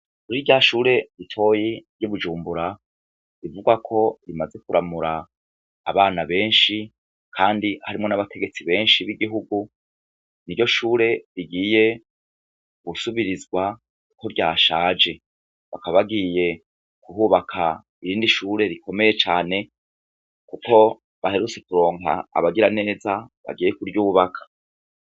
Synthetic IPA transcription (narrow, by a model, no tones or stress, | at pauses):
uɾiɾɟaʃuːɾe̞ɾitʰo̞jiɾjuβud͡ʒuːmbuɾa | ɾivuɡakʰo̞ɾimaze̞kuɾʔamuɾaː | βaːnaβe̞ːnʃi | kʰaːndiha̰ɾimŋo̞naβatʰe̞ɡe̞t͡siβe̞ːnʃiβiɡiɦuɡu | niɾɟo̞ʃuːɾe̞ɾiɡiːje̞ | ɡ̥usuβiɾizɡwa | kuko̞ɾɟaːʃaːd͡ʒe̞ | βakaβaβaɡiːje̞ | kuɦuːβakʰa | iɾiːndiʃuːɾe̞ɾiko̞me̞je̞t͡ʃaːne̞ | kuko̞ | βahe̞ɾut͡se̞kuɾo̞ːŋa̰a̰βaɡiɾane̞ːzaβa̰ɡiːjekuɾjuːβakʰḁ